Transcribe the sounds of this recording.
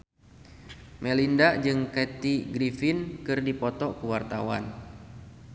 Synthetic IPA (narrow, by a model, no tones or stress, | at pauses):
mɛlindad͡ʒɨŋkɛt̪iɡɾifinkɨrdipɔt̪ɔkəwart̪a̰wa̰n